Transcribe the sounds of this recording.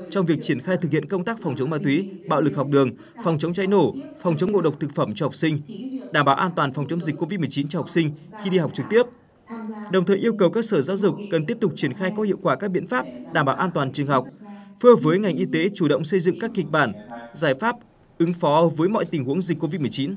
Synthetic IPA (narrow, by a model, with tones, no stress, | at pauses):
t͡ɕɔ˧wŋ͡mvi˨˩ək̚t͡ɕi˧˩ənxaː˧jt̪ʰɨ˨˩k̚hḭ˧˨ənkə˧wŋ͡mt̪aː˦˥k̚fɔ˨˩ŋ͡mt͡ɕə˨˦wŋ͡mmaː˧t̪wi˨˦ɓa̰ː˧˨wlɨ˨˩k̚ha˨˩wk͡p̚ɗɨ˨˩əŋ | fɔ˨˩wŋ͡mt͡ɕə˨˦wŋ͡mt͡ɕa˨˦jno˧˩fɔ˨˩wŋ͡mt͡ɕə˨˦ŋ͡mŋo̰˧˨ɗə˨˩wk͡p̚t̪ʰɨ˨˩k̚fə˧˩mt͡ɕɔ˧ha˨˩wk͡p̚sï˧ŋ̟ɗaː˧˩mɓaː˧˨˩ʔaː˧nt̪waː˨˩nfɔ˨˩wŋ͡mt͡ɕə˨˦wŋ͡mzi˨˩k̟ko˧vi˦˥t̚mɨ˨˩ət͡ɕi˨˦nt͡ɕɔ˧ha˨˩k͡p̚sï˧ŋ̟xi˧ɗi˧ha˨˩wk͡p̚t͡ɕɨ˨˩k̚t̪i˦˥əp̚ | ɗə˨˩wŋ͡mt̪ʰəː˨˩jʔi˧əwkə˨˩wkaː˦˧k̚səː˧˩zaː˨˦wzʊ˨˩k͡p̚ːə˨˩nt̪i˦˥əp̚t̪ʊ˨˩k͡p̚t͡ɕi˧˩ənxaː˧jkɔ˨˦˥hḭ˧˨əwkwaː˧˩kaː˦˥k̚ɓḭ˧˨ənfaː˦˥p̚ɗaː˧˩mɓaː˧˩wʔaː˧nt̪waː˨˩nt͡ɕɨ˨əŋɦa˨˩wk͡p̚fɨ˧əvəː˨˦jŋa˨˩jŋʔi˧t̪e˨˦t͡ɕu˧˩ɗə̰˧˨wŋ͡msə˧jzɨ̰˧˨ŋkaː˦˥kːi˨˩k̟̚ɓaː˧˩nzaː˧˩jfaː˦˥p̚ | ʔɨ˨˦ŋfɔ˨˦vəː˨˦jmɔ̰˧˨jt̪ï˨˩ŋ̟hu˨˦əŋzi˨˩k̚ʲko˧vi˦˥t̚mɨ˨˩ət͡ɕi˨˦n